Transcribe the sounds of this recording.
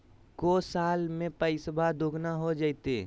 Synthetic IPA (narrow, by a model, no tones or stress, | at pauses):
koːsaːlmẽpəɪsəbʱad̪oːɡnaɦod͡ʒaːit̪eː